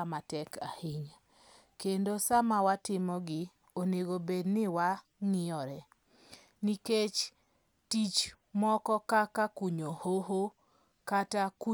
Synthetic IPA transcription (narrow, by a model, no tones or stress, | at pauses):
amatɛkahiɲ | kendosamawatɪmɔɡɪ | oneɡobednɪwa | ŋɪɔɾɛ | niket͡ʃ | tit͡ʃ | mɔkɔkakakuɲohoɦo | kataku